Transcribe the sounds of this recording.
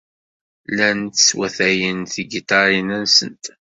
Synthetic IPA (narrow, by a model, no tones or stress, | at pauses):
lænt̪swæθæjənθiɡit̪ɑɾˤinænsə̰nt̪